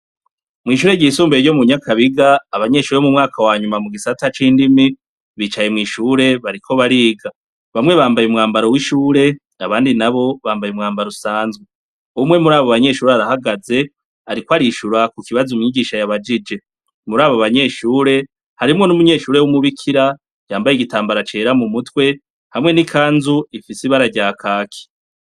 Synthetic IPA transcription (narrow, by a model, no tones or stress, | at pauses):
mŋiːʃ̬uːɾe̞ɟiːsuːmbeɾɟo̞muɲakʰaβiɡaːβaɲe̞ʃuːɾemumŋaːkʰawaːɲumamuɡisatat͡ʃiːndimi | βiːt͡ʃaje̞mŋiːʃuːɾe̞βaɾikʰo̞βaɾiːɡa | βamŋe̞βaːmbajumŋaːmbaɾowiʃuːɾe̞ | aβaːndinaβo̞βaːmbajumŋaːmbaɾusaːnzɡwe | umŋe̞muɾaːβoβaɲe̞ːʃuːɾeaɾahaɡaze̞ | aɾikwaɾiʃuɾakukiβazumɲiɡiːʃajaβad͡ʒid͡ʒe̞ | muɾaːβoβaɲe̞ʃuːɾe̞ | haɾimŋo̞numuɲe̞ːʃuːɾewumuβikʰiɾa | jaːmbajiɡitaːmbaɾat͡ʃe̞ːɾamumutwe̞ | hamŋe̞nikʰaːnzuifisiβaɾaɟakʰaːkʰi̥